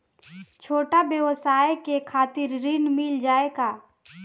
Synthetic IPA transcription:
t͡ʃʰoːʈabjəwəsaːekekʰaːt̪ɪɾːɪnmɪld͡ʒaːekaː

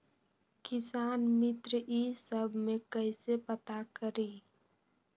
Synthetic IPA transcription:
kɪsaːnmɪt̪ɾisəbʱmẽkəɪsepət̪akəɾi

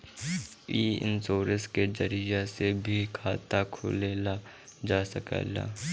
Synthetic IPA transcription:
iːɪ̰nsoːɾəsked͡ʒəɾijasebʱikʰaːt̪akʰʊ̰leːla | d͡ʒaːsəkə̰ːla̰ː

